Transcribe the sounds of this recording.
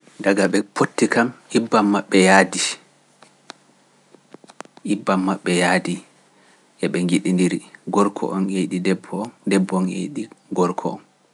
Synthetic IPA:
daɡaɓɛpʰotːikamʔibːamːaɓːɛjadi | ʔibːamːaɓːɛjaːdi | ʔɛɓɛŋɡiɗindiɾiɡɔɾkʰɔ̰ʔɔneɗidɛbːɔndɛbːɔnḛɗiɡɔɾkʰɔ̰ɔ̰n

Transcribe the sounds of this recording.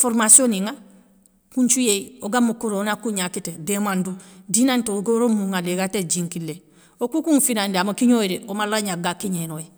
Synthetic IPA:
foɾmasioniŋa | kunt͡ʃujeioɡamukuɾonakuɲakitedemandudinantoɡoɾomuŋaleɡated͡ʒiŋkile | okukuŋfinandeamakiɲoiɾeʔomalaɲaɡakiɲenoe

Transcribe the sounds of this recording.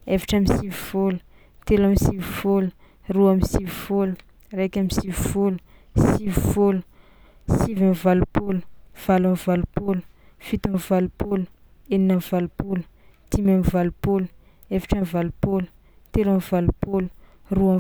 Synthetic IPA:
evḁʈ͡ʂamisivivolu̥ | t̪elamisivufolu | ruamisivufolu | rejkʲamĩsivivolu̥ | sivifolu̥ | sivamvalupolu̥v̥alamvalupolu̥ | fit̪amvalupol | eninamvalupolu̥ | t̪imamivalupolu̥ | evaʈ͡ʂamvalupolə̥ | t̪elamvalupolu̥ | rua

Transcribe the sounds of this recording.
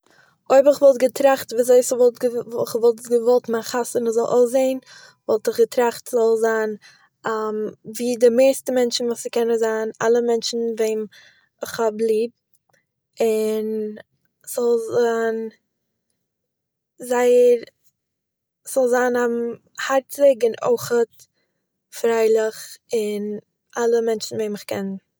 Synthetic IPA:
oɪbɪχvɔlˠtɡətɾaχtviːzoɪsvɔlˠtɡəχvɔlˠtɡəvɔlˠtmaχasənɪzɔlˠʔo̰ʊszeɪn | vɔlˠtɪχɡətɾaχtzɔlˠzaːn | amviːdɪmeɪstəmɛnt͡ʃn̩vuːsɪkɛnəzaːna̰lˠəmɛnt͡ʃn̩veɪn | ɪχhablˠiːb̚ | ɪn | z̥ɔlˠzan | zaɪəɾ | sz̥ɔlˠzanam̩ | haɾtɪɡɪno̰ɪχət | fɾaɪlˠɪχɪn | ʔalˠəmɛnt͡ʃn̩veɪnɪχkɛn

